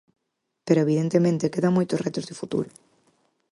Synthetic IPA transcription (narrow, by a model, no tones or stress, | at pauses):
peɾoeβiðent̪emẽnt̪ekeðamojt̪osrɛt̪ozðɪfut̪ṵɾʊ